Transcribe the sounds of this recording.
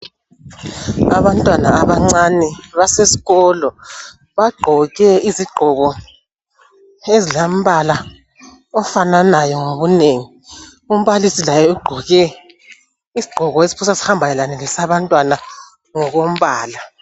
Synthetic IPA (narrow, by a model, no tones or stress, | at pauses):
aβantʼwanaːβaŋ͡ǀanɛβasesi̥ɣɔlɔ | βaɡ͡ǃʱɔɣɛiziɡ͡ǃʱɔɣɔ | ezilam̩βala | ɔfananajɔŋoβuneːŋi | um̩βalisilajɛuɡ͡ǃʱɔɣɛ | iziɡ͡ǃʱɔɣɔesi̥pʰusasi̥hambʱanɛlanɛlɛsaβantʼwana | ŋɔɣom̩βaːla